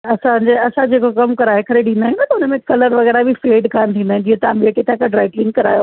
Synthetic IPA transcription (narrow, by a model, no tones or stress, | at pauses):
ɐsãd͡ʑeɐsãd͡ʑeːkokɐmkɐɾaːɦekɐɾeɗĩnd̪aːɦjũnɐt̪ɐʊnəmẽkɐləɾʋɐɣɛːɾabʱifeːɖkʰaːnt̪ʰĩːnd̪aːɪ̃d͡ʑiːɦə̃t̪ɐãɓeːʈet̪ʰãkãɖɾaːɪklɪ̃ŋɡkɐɾaːjo